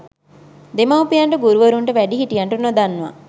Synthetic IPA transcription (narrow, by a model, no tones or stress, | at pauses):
d̪emawpijaɳʈəɡuɾuʋəɾuɳʈəʋæɖiɦiʈijaɳʈunod̪anːuʋa̰